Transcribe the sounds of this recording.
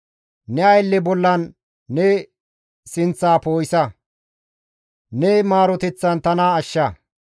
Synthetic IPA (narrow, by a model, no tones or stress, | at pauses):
nɛɐjlːɛbɔlːɐnː | ɛ | sɪnt͡sːaːpo̞ːjsɐ | nɛmaːɾɔt̪ɛt͡sːɐnt̪ɐnaːʃːɐ